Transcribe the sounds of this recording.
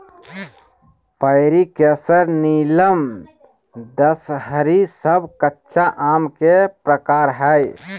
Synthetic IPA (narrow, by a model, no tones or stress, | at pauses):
pəɪɾikesəɾniləm | d̪əsɦəɾisəbʱkətːʃʰaʔamkepɾəkaɾɦəj